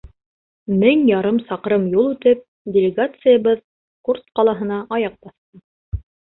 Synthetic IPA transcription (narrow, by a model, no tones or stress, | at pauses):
mɘŋjɑɾɤmsɑqɾɤmjulˠʉt̪ɘp̚ | dʲɪlʲɪɡat̪sɨjəβɤð | kurt̪qɑlˠɑɦɤ̆nɑʔɑjɑq̚b̥ɑθt̪ɤ